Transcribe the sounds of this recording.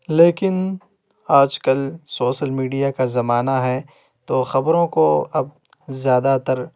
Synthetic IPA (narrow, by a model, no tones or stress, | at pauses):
leːkɪn | aːd͡ʒkɐlsoːʃəlmiːɖijakazɐmaːnaɦɛ | t̪oːxɐbɾõkoɐb̚ | zjaːd̪at̪ɐɾ